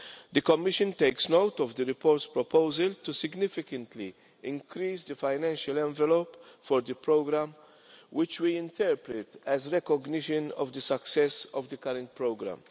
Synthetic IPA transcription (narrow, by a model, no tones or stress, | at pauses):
d̪əkɔmːɪʃə̃nt̪eɪksnoʊt̪ɔvd̪əɾɪpɔːɾt̪spɾɔpʰoʊzəlt̪usɪɡnɪfɪkə̃nt̪li | ɪ̃ŋkɾiːsd̪əfaɪnɛ̃nʃəlɛ̃ɱvɛlopfɔɾd̪əpɾoɡɾæ̃m | wɪt͡ʃwiɪ̃nt̪ʰɛɾpɾɪt̪ɛzɾɛkɔɡnɪʃə̃nɔ̰vd̪əsɐksɛsɔvd̪əkɐɾə̃nt̪̚pɾoʊɡɾã̰m